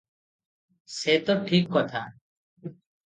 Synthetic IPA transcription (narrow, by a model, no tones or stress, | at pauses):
seːt̪oːʈʰiːkːɔːt̪ʰaː